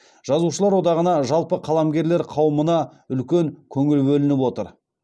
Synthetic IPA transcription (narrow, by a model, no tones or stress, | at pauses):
ʒ̥ɑzuʃəlˠɑɾwo̞d̪ɑʁənɑʒɑlˠpəqʰɑlˠɑmɡʲe̞ɾle̞ɾqʰɑwəmənɑʏlkʲe̞ŋkʲʰɵŋɪlbɵlɪnɪpwo̞t̪əɾ